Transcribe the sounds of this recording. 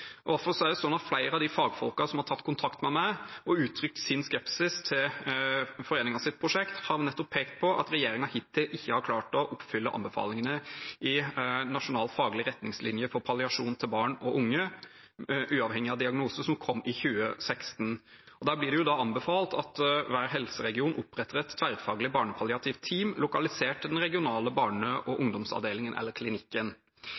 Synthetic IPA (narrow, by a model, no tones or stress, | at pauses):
ɔd̪æɾfɔɾsɔæɖɛsɔnːɑt̪flæɪɾəɑʋd̪ɪfɑːɡfɔlkɑsɔmhɑɾtʰɑt̪ːkʰʊnt̪ʰɑkt̪mɛmæɪɔʉːt̪ʰɾʏk̚t̪sɪnskɛpsɪst̪ʰɪl | fɔɾeːnɪŋɑsɪt̪̚pʰɾʊʂɛkt̪hɑɾnɛt̪ːɔpʰːeːkt̪̚pʰɔʔɑ̰t̪ɾɛjeːɾɪŋɑhɪt̪ʰːɪʔɪçːəhɑɾkʰlɑːʈɔʔʊpːfʏlːəʔɑ̰nbəfɑ̰ːlɪŋənəɪnɑʂʊnɑːlt̪fɑːɡlɪəɾɛt̪nɪŋslɪnjəfɔɾpʰɑlɪɑʂuːnt̪ʰɪlbɑːɳɔʔʊŋːə | ʔʉːɑʋhɛŋɪɑd̪ɪɑɡnuːsəsɔmkʰɔmːɪçʉːəsɛkst̪n | ɔd̪æːɾblɪɖɛjʊd̪ɑɑnbəfɑːlt̪ʰɑt̪ʋæːɾɦɛlsəɾɛɡɪuːnʔʊpɾɛt̪ːəɾɛt̪ʰːʋæɾd̪fɑːɡlɪbɑːɳəpʰɑlɪɑt̪ʰiːʋt̪ʰːiːmlʊkɑlɪseːʈd̪ɛnɾɛɡɪʊnɑːləbɑːɳəʔɔʔʊŋd̪ɔmsɑ̰ʋd̪eːlɪŋənʔɛ̰lːəɾkʰlɪnɪkːən